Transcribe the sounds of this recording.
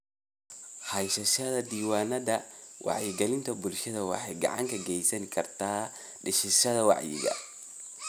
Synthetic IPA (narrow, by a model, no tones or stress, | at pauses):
hɐjsɐʃɐðɐd̪iːwaːnɐðɐwʔɑ̰ʕjɪɡɛlɪnt̪ʰɐbʊlʃɐðɐwɑ̰ħɑjɡɑ̰ʕɑ̰ŋkʰɐɡɛjsɐŋkʰɐrt̪ʰaː | ɖɪʃɪʃɐðɐwɑ̰ʕjɪ̰ɣɐ̰